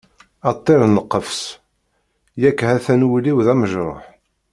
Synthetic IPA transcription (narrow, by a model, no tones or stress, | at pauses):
ɑt̪ˤːeɾˤnəqːəfs | jækːhæθænwiliwðæməʒɾˤɑ̰ħ